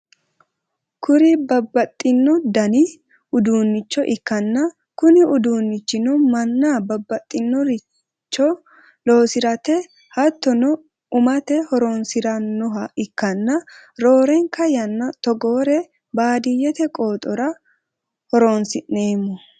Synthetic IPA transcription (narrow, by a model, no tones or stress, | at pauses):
kʊɾɪbɐbːɐt̪ʼːɪnːɔd̪ɐnɪ | ʊd̪uːnːɪt͡ʃːɔʔɪkːɐnːɐ | kʊnɪʊd̪uːnːɪt͡ʃːɪnɔmɐnːaːbɐbːɐt̪ʼːɪnːɔɾɪ | t͡ʃːɔ | lo̞ːsɪɾɐt̪ɛ | hɐt̪ːɔnɔ | ʊmɐt̪ɛhɔɾonsɪɾɐnːɔɦɐɪkːɐnːɐɾoːɾɛŋkɐjɐnːɐt̪ɔɡoːɾɛ | baːd̪ɪjɛt̪ɛkʼoːt̪ʼɔɾɐ | hɔɾoːnsɪʔːeːmːɔ